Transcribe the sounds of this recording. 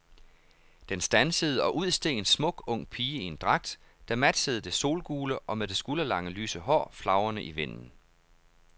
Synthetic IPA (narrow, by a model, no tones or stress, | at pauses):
d̥ensd̥ænsəð̞̩ˠəɒ̽ʔuð̞̰ˠsd̥e̝̰ːnsmɔ̽ɡ̥ɔ̽ŋ̰pʰiːie̝nd̥ʁɑ̈ɡ̥̚d̥ | d̥æmæd̥səð̞̩ˠd̥e̝so̝̰ːlɡ̥uːləʔɒ̽meðd̥e̝sɡ̥ulɐlɑ̈ŋəlyːsəɦɒ̰ːflɑ̈ʊɐnəʔiʋen̰n̩